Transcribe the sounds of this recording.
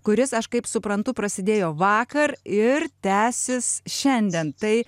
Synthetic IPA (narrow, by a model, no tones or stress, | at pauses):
kʊɾʲɪsɐʃkɐɪpsʊpɾɐnt̪ʊpɾɐsʲɪd̪ʲeːjoːʋɑːkɐɾɪrt̪ʲæːsʲɪsʃʲɛnʲd̪ʲɛnt̪ɐɪ